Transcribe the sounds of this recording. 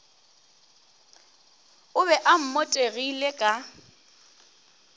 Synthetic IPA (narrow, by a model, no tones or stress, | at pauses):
ʊβɛʔam̩motʼeɣilekʼa